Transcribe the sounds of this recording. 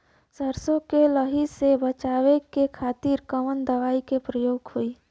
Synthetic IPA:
səɾsõkeləɦisebət͡ʃaːwekekʰaːt̪iːɾkəmənd̪əʋaːikepɾəjoːɡhoiː

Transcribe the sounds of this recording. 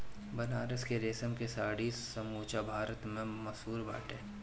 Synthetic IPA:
bɐnaːɾəskeɾeːsəmkesaːɽiːsɐmuːt͡ʃabʱaːɾət̪mẽmɐsuːɾba̰ːʈeː

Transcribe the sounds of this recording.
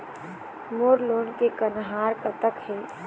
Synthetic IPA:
moːɾloːnkekənɦaːɾkət̪əkheː

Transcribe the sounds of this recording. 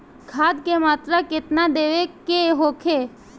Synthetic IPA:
ɡʰʱaːd̪̚kemaːt̪ɾakɪt̪nad̪eːʋekeɦoːkʰeː

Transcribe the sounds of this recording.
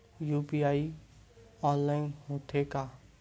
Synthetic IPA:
juːpiaːi | ɔnlaːɪnmot̪ʰːeka

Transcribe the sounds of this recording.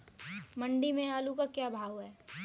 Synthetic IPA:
mɐ̃ɳɖimẽaːlukakjaːbʱaːʋɦɛː

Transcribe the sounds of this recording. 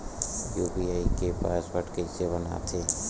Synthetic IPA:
juːbiaːikepa̰ːsbəʈkəseβəna̰t̪ʰeː

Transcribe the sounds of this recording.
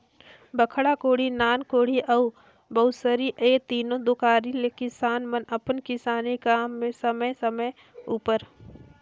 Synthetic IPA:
bəkʰɽakoːɽ̤inaːnkoːɽ̤iʔɐu | bɐʊsəɾiʔeːt̪iːnõd̪ʊkaːɾilekɪsaːnmənɐpənkɪsaːnikaːmːẽsɐməjsəməj | uːpəɾ

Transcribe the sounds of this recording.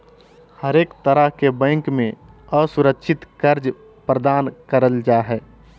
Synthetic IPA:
həɾeːkt̪əɾəɦkebə̃ɪŋkmẽ | əsuɾəkʃʰɪt̪kəɾd͡ʒ | pɾəd̪aːnkəɾəld͡ʒaɦɛː

